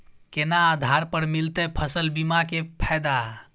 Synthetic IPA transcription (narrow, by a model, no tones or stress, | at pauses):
kenaːd̪ʱaɾpəɾmilt̪epʰəsəlbimakepʰad̪a